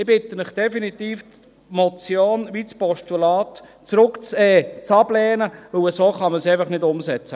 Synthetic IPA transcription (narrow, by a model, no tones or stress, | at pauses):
ɪbɪtəmɪχd̥ɛfinit̪iːf | mɔt͡sjoːnʋit͡spɔʃtulɑːt̪ | t͡sɾʊkt͡sɛːt͡sɑb̥lɛːnəʋɵwəsoːχɑməsɛɪfɑχnɪdʊmsɛt͡sə